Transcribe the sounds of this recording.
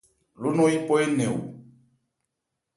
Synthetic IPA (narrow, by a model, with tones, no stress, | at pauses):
lu˦nɔ˦i˦pɔ˦e˦nɛ˨ṵ˨